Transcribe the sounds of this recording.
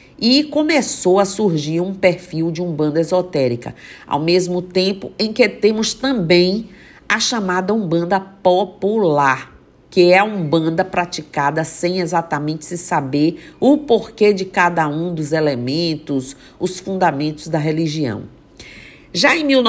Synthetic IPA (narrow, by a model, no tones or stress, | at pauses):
ɪkõmesowɐsuɾʒiɾũpeɾfiwd͡ʒɪũbɐ̃d̪ɐezot̪ɛɾikɐ̰a̰wmezmʊt̪ẽpʊẽj̃kɪt̪ẽmʊst̪ɐ̃bẽj̃ | ɐʃɐmad̪ɐũbɐ̃nd̪ɐpopulaɾ | kɪɛũbɐ̃nd̪ɐpɾat͡ʃikad̪ɐsẽj̃ezat̪amẽnt͡ʃɪ̥sɪsabeɾʊpoɾked͡ʒɪkad̪ɐũd̪ʊzelemẽnt̪ʊs | ʊsfũnd̪amẽnt̪ʊzd̪ɐɦeliʒiɐ̰̃w̃ | ʒaẽj̃miwn